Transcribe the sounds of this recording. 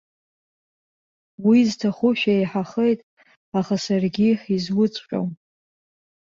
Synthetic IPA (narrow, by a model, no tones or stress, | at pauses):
wiztʰaχʊʃᶣaejħaχejtʼ | aχasarɡʲiħizwʊt͡sʼqʲʷᶣʼo̰w